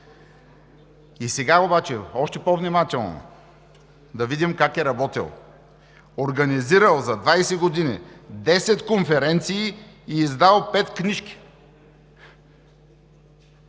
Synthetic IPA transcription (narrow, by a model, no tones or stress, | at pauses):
isɛɡaobat͡ʃɛɔʃt̪ɛpovnʲimat̪ɛlˠno̰ | d̪ɐvid̪imkakɛɾɐbɔt̪ḭlˠ | oɾɡɐniziɾəlˠzɐd̪vajsɛɡod̪inid̪ɛsɛt̪konfɛɾɛnt̪siː | zd̪alˠpɛt̪kniʃkʲi̥